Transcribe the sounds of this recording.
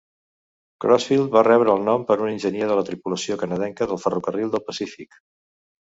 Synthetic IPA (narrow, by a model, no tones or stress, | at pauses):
kɾɔsfilˠd̪̚βarɛβɾəːlˠnɔmpəɾuninʲʒəniəðələt̪ɾipuləsiokənəðɛŋkəðəlˠfərukərilˠd̪əlˠpəsifik